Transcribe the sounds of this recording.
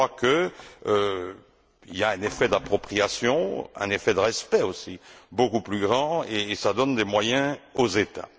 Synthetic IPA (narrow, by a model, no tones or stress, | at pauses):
wakə | iljaɛ̃nefɛd̪apχɔpχiasjɔ̃ɛ̰̃nefɛd̪əʁɛspɛosibokuplyɡʁɑ̃eːsad̪ɔnd̪emwajɛ̃ozet̪a̰